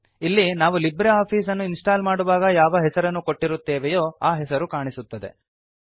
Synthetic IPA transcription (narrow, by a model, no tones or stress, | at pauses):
ilːinaːʋulibɾeaːpʰiːsɐnːuinsʈaːlmaːɽuʋaːɡɐjaːʋɐɦɛsɐɾɐnːuko̞ʈːiɾut̪ːeːʋɛjoːaːɦɛsɐɾukaːɳisut̪ːɐd̪e̞̰